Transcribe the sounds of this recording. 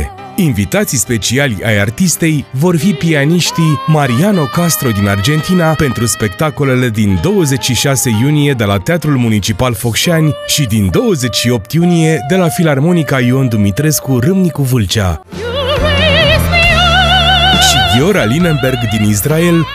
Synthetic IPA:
invit̪at̪sijspe̞t͡ʃialʲa̰jart̪ist̪e̞jvo̞rfipianiʃt̪imaɾiano̞kast̪ɾo̞d̪inard͡ʒe̞nt̪inape̞nt̪ɾuspe̞kt̪ako̞le̞le̞d̪ind̪o̞wəze̞t͡ʃʲʃiʃase̞junije̞d̪e̞lat̪eat̪ɾulmunit͡ʃipalfo̞kʃanʲʃid̪ind̪o̞wəze̞t͡ʃʃio̞p̚t̪junije̞d̪e̞lafilarmo̞nikaiond̪umit̪ɾe̞skurɨmnikuvɨlt͡ʃa̰ | ʃiɡeo̞ɾalinenbe̞rɡd̪inis̬rae̞l

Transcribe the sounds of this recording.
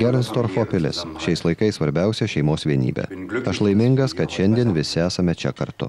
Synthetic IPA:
ɡʲɛɾnst̪oɾfoːpʲɪlʲɪ̰sʃʲɛɪslˠɐɪkɐɪssʋɐɾʲbʲɛʊsʲɛʃʲɛɪmoːsʋʲiɛnʲḭːbʲɛ̰ɐʃlˠɐɪmʲɪŋɡɐskɐt̪ʃʲɛnʲd̪ʲiɛnʋʲɪsʲɪæːsɐmʲɛt͡ʃʲɛkɐɾt̪ʊ̰

